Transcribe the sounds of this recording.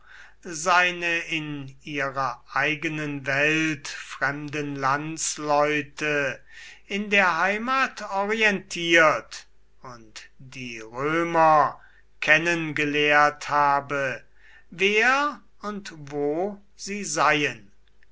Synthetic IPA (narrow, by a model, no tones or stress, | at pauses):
zaɪnəɪniːʁɐʔaɪɡənənvɛltfʁ̥ɛmdənlant͡slɔʏtə | ɪndeːɐɦaɪmaːtɔʁiɛntʰiːɐt | ʊntd̥iːʁøːmɐ | kʰɛnənɡəleːɐthaːbə | veːɐ | ʊntvoː | z̥iːzaɪjən